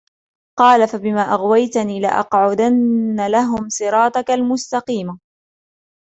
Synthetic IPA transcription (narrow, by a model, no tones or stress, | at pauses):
qɑːlafabɪmaːʔɑɣwajt̪aniːlɪʔɑ̰qʕʊd̪anːalaɦʊmsˤɨɾˤɑːt̪ˤɑkalmʊst̪ɑqiːma